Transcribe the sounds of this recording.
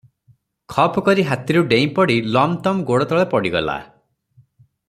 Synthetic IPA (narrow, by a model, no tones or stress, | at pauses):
kʰɔpkɔɾiɦat̪iɾuɖeĩpɔɽilɔmt̪ɔmɡoɽɔt̪ɔɭepɔɽiɡɔ̰la̰